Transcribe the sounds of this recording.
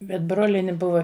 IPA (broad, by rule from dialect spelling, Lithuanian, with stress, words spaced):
bʲɛt ˈbroːlʲiɛnʲɪ ˈbʊʋɐ